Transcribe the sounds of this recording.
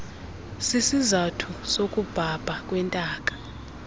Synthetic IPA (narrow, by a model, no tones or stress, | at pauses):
sisizatʰusokʼub̥ʱab̥ʱak̬ʼwɛntʼaːk̬ʼḁ